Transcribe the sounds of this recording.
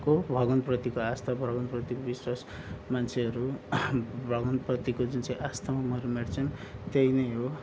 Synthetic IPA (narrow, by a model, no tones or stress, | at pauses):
kobʱʌɡʌnprʌt̪ikoast̪ʰabʱʌɡʌnprʌt̪ikobiswas | mant͡sʰeʌɾu | bʱʌɡʌnprʌt̪ikod͡zunt͡sʌ̃ĩʔast̪ʰamʌmʌɾumeɽt͡sʰʌnt̪ejnʌjɦo